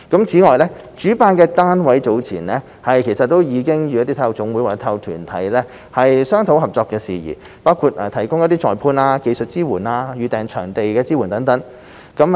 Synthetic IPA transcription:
kɐ˨˥mt͡sʰiː˨˥ŋɔː˨jlɛː˥ | t͡ʃyː˨˥paː˧nkɛː˧t̪aː˥nwɐ˨˥jt͡so˨˥wt͡sʰḭː˨˩nlɛː˥ | hɐ˨jkʰe˨˩jsɐ˨t̪ːo˥wjiː˨˧kɪ˥ŋjyː˨˧ɐ˥t̪iː˥t̪ʰɐ˧wt͡sʊ˨˥ŋwu˨˥jwaː˨˥t̪ʰɐ˧wt̪ʰy̰ː˨˩nt̪ʰɐ̰˨˥jlɛː˥ | hɐ˨jsœː˥ŋt̪ʰo˨˥wɦɐ˨p̚t͡sɔː˧kːɛː˧siː˨jḭː˨˩ | paː˥wkʰuː˧t̚ʔɛː˨˩t̪ʰɐ˨˩jkʊ˥ŋjɐ˧˥t̪iː˥t͡ʃɔː˨jpʰuː˧naː˧ke˧jsɵ˨t̚t͡siː˥wuː˨˩naː˧jyː˨˧t̪ɛː˨˩ŋt͡ʃʰœ̰ː˨˩ŋt̪e˨jkɛː˧t͡siː˥wuː˨˩nt̪ɐ˨˥ŋt̪ɐ˨˥ŋ | kɐ˨˥m

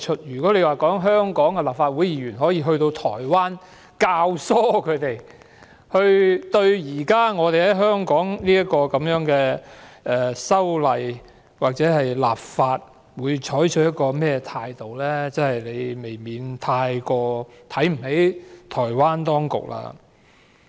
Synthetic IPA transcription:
t͡ʃʰɵ˥t̚jyː˨˩kɔː˨˥le˨˧jwaː˨kɔː˨˥ŋɦœː˥ŋkɔː˨˥ŋkɛ˧laː˨p̚faː˧t̚wu˨˥jiː˨˧ɥyː˨˩nɦɔː˨˥jiː˧ɦɵ˧ɥt̪o˧wt̪ʰɔ̰ː˨˩jwaː˥n | kaː˧wsɔː˥kʰɵ˨˧ɥt̪e˨j | hɵ˧ɥt̪ɵ˧ɥjiː˨˩kaː˥ŋɔː˨˧t̪e˨˩jhɐ˨˥jɦœː˥ŋkɔː˨˥ŋliː˥jɐ˥t̚kːɔː˧kɐ˨˥mjœː˨˥ŋkɛː˧ɛː˨˩sɐ˥wlɐ˨˧j | waː˨˩k̚t͡sɛː˨˥ɦɐ˨jla̰ː˨˩p̚faː˧t̚ | wuː˨˧jt͡ʃʰɔː˨˥jt͡ʃʰɵ˧˥t̚jɐ˥t̚kɔː˧mɛː˥t̪ʰaː˧jt̪o˨wlɛː˥t͡sɐ˥nhɐ˨jle˨˧jme˨˩jmiː˨˧nt̪ʰaː˧jkɔː˧t̪ʰɐ˨˥jm̩˨˩ɦe˨˥jt̪ʰɔː˨˩jwaː˥nt̪ɔː˥ŋkʊ̰˨k̚la̰ː˧

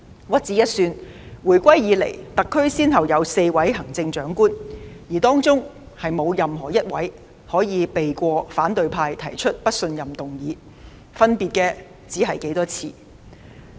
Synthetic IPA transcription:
wɐ˥t̚t͡siː˨˥jɐ˥t̚syː˧n | wuː˨˩jkʷɐ˥jjiː˨˧lḛ˨˩jt̪ɐ˨kʰːɵ˥ɥsiː˥nɦɐ˨wjɐ˨˧wse˧jwɐ˨˥jɦɐ˨˩ŋt͡sɪ˧ŋt͡ʃœː˨˥ŋkuː˥njiː˨˩t̪ɔː˥ŋt͡sʊ˥ŋ | hɐ˨jmo˨˧wjɐ˨mɦɔː˨˩jɐ˥t̚wɐ˨˥j | hɔː˨˥jiː˨˧pe˨jkʷɔː˧faː˨˥nt̪ɵ˨˧ɥpʰaː˧jt̪ʰɐ˨˩jt͡ʃʰɵ˥t̚pɐ˥t̚sɵ˧njɐ˨˩mt̪ʊ˨ŋjiː˨˥ | fɐ˥npiː˨t̚kɛː˧ | t͡siː˨˥ɦɐ˨jke˨˥jt̪ɔː˥t͡sʰiː˧

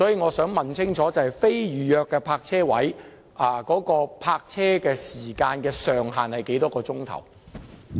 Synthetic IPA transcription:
sɔː˨˥jiː˧ŋɔː˨˧sœː˨˥ŋmɐ˨nt͡sʰɪ˥ŋt͡sʰɔː˨˥t͡sɐ˨whɐ˨jfe˥jɥyː˨˧jœː˧kːɛː˧pʰaː˧k̚t͡sʰɛː˥wɐ˨˥j | ʔɐ˨kɔː˨˥kɔː˧pʰaː˧k̚t͡sʰɛː˥kɛː˧siː˨˩kaː˧nkɛː˧sœː˨ŋɦaː˨˩nhɐ˨jke˨˥jt̪ɔː˥kɔː˧t͡sʊ˥ŋt̪ʰɐ̰˨˩w

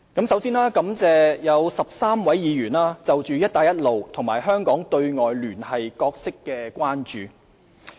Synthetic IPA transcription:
kɐ˨˥msɐ˨˥wsiː˥naː˥kɐ˨˥mt͡sɛː˨jɐ˨˧wsɐ˨p̚saː˥mwɐ˨˥jjiː˨˧jyː˨˩naː˥t͡sɐ˨wt͡ʃyː˨jɐ˥t̚t̪aː˨˧jɐ˥t̚lo˨wt̪ʰʊ˨˩ŋmaː˨˩jɦœː˥ŋkɔː˨˥ŋt̪ɵ˧ɥŋɔː˨jlyː˨˩nhɐ˨jkɔː˧k̚sɪ˥kːɛː˧kʷwaː˥nt͡ʃyː˨

